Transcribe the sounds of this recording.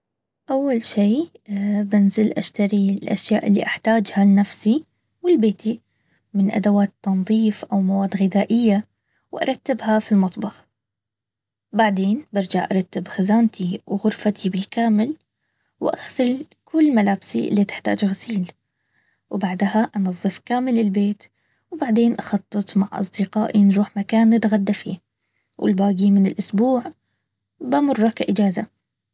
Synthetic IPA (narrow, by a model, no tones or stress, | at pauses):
ʔawːalʃiː | bɪnzɪlʔaʃt̪aɾilʔa̰ʃja̰ːʔɪlːḭʔaħt̪aːd͡ʒhalnafsi | wɪlbeːt̪i | mɪnʔa̰d̪awaːt̪ːɑnðˤiːfʔawmawaːd̪ɣɪd̪aːʔɪjːa | wʔɑ̰ɾˤɑt̪ːɪbhafilmɑt̪ˤbɑx | baʕd̪eːnbɪɾˤd͡ʒaʕʔɑ̰ɾˤɑt̪ːɪbxazaːnt̪ʰiwɣʊɾfat̪ʰibɪlkaːmɪl | wʔaxsɪl | kʊlːmalaːbsiʔɪ̰lːit̪ɪ̥ħt̪a̰ːd͡ʒɣasiːl | wbaʕd̪haʔɑnɑðˤːɨfkaːmɪlɪlbeːt̪ | wbaʕd̪eːnʔɑxɑt̪ˤːɨt̪ˤmaʕʔɑ̰s̬ˤd̪ɪqa̰ːʔinɾuːħmakaːnːɪt̪ɣad̪ːafiː | wʔɪ̰lbaːɡimɪnɪlʔʊsbuːʕ | bamʊrːɑkaʔɪd͡ʒaːza̰